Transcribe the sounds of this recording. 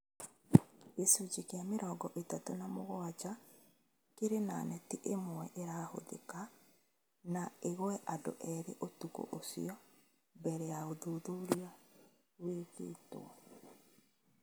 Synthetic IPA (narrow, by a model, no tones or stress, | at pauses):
esud͡ʒikeameɾɔːɡɔʔetatonamoɣwad͡ʒa | keɾena̰nɛtiʔemwɛʔeɾaːho̰ðḛka | naeɣɛʔado̰ʔɛɾeʔotuko̰ʔosḭɔ | bɛɾɛaoðuðuɾia | weɣḛːto̰a